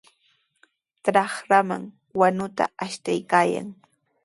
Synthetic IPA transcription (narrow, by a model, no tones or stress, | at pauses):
t̪ɾɑχɾama̰ŋ | wanʊt̪a̰aʃt̪ajkaːja̰ŋ